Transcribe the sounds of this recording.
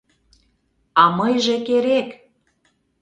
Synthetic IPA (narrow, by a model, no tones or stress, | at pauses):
ɑmɤjʒekeɾek